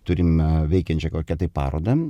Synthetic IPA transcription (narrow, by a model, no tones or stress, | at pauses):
t̪ʊɾʲɪmʋʲɛɪkʲɛnʲt͡ʃʲɛkoːkʲɛt̪ɐɪppɑ̰ːɾo̰ːd̪ɐ